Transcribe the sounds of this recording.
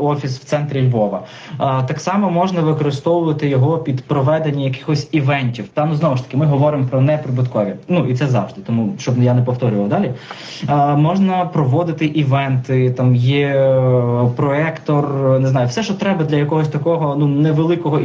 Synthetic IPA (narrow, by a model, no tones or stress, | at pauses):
ɔfʲisw̥t̪sɛnt̪ɾʲɪlʲʋɔʋɐ | t̪ɑksɑmɔmɔʒnɐʋɪkɔɾɪst̪ɔwʊʋɐt̪ɪjɔɦɔpʲid̪pɾɔʋɛd̪enʲːɐjɐkɪ̥xɔsʲiʋɛnʲtʲiwt̪ɑnuznɔʋʊʃt̪ɐ̥kɪmɪɦɔʋɔɾɪmpɾɔnɛpɾɪbɪt̪kɔʋʲinuʔit̪sɛzɑ̰ʋʐd̪ɪt̪ɔmuʃt͡ʃɔbjanɛpɔwt̪ɔɾʲʊʋɐwd̪ɑlʲi | mɔʒnɐpɾɔʋɔd̪ɪt̪ɪʔiʋɛnt̪ɪt̪ɑmjɛ | pɾɔɛkt̪ɔrnɪznɑjʊfsɛʃt͡ʃɔt̪ɾɛbɐd̪lʲɐjɐkɔɦɔsʲt̪ɐkɔɦɔnunɛʋelˠɪkɔɦɔ